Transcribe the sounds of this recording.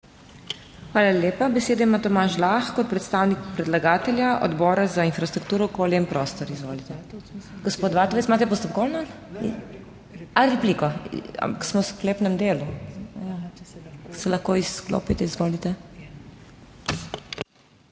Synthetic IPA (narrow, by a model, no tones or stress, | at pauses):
xʋaːlaljeːpabɛseːd̪aimat̪ɔmaːʃlaːxkɔt̪̚pɾɛt̪st̪aːwnikpɾɛd̪laɡaːt̪ɛlʲjaʔɔ̰d̪bɔːɾazainfɾast̪ɾuk̚t̪uːɾɔkoljɛimpɾɔːst̪ɔɾizʋo̰ːlit̪ɛɡ̥ɔspoːt̪ʋaːt̪ɔʋesmaːt̪ɛpɔst̪ɔpkɔlna | aɾɛplikɔa̰mpaksmɔwskleːpnɛmd̪eːluja | sɛlɐxkoisklo̰ːpit̪ɛizʋoːlit̪ɛ